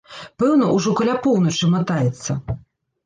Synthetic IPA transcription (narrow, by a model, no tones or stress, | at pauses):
pɛwnɐʔuʐɔkɐlʲapɔwnɐt͡ʂɨmɐt̪ajɛt̪sːɐ